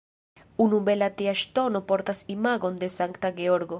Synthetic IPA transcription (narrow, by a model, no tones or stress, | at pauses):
unubelat̪iaʃt̪onopoɾt̪asimaɣond̪esaŋkt̪aɡeoɾɡo